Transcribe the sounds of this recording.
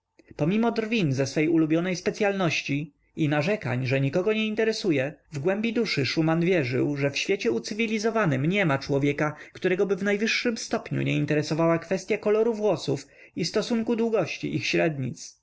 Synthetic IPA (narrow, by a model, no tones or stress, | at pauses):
pɔmʲimɔd̪ɾvʲinzɛsfɛjulubʲjɔnɛjspɛt̪sʲjalnɔɕt͡ɕi | inaʐɛka̰ɲʐɛɲikɔɡɔɲɛint̪ɛɾɛsujɛvɡwɛmbʲid̪uʂɘʂumanvʲjɛʐɘ̰wʐɛfɕfʲjet͡ɕɛut̪sɘvʲilʲizɔvanɘmɲɛmat͡ʂwɔvʲjɛkakt̪uɾɛɡɔbɘvnajvɘʂːɘmst̪ɔpɲṵɲɛint̪ɛɾɛsɔvawakfɛst̪ʲjakɔlɔɾuvwɔsuf | ist̪ɔsuŋkud̪wuɡɔɕt͡ɕḭʔixɕɾɛd̪ɲḭt̪s